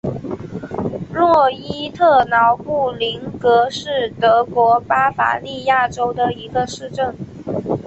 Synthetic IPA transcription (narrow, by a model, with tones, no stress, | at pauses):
lwɔ˥˩i˥t̪ʰɤ˥˩nɑ˧˥ʊpu˥˩li˧˥ŋkɤ˧˥ʂɻ̩˥˩t̪ɤ˧˥kwɔ˧˥pa˥fa̰˧˥li˥˧ja˥˩ʈ͡ʂo˥ʊd̪ə˨i˧˥ɡə˧ʂɻ̩˥˧ʈ͡ʂə˥˩ŋ